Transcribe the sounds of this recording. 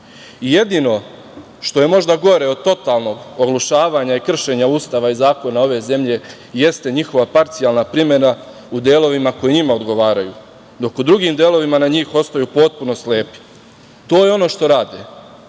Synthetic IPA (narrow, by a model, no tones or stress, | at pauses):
ije̞d̪ino̞ | ʃt̪o̞je̞mo̞ʒd̪aɡo̞ɾe̞o̞d̪̚t̪o̞t̪alno̞ɡoɡlˠuʃaːʋaɲaikr̩ʃe̞ɲauːst̪aʋaizaːko̞nao̞ʋe̞ze̞mʎe̞ | je̞st̪e̞ɲixo̞ʋapaɾt̪sijalˠnapɾime̞na | ud̪jeːlo̞ʋimako̞jiɲimao̞d̪ɡo̞ʋaːɾajṵ | d̪o̞kud̪ɾuɡiːmd̪jeːlˠo̞ʋimanaɲiːxo̞st̪ajuːpo̞t̪̚puno̞sleːpi̥ | t̪o̞ːjeo̞no̞ʃt̪o̞ɾaːd̪e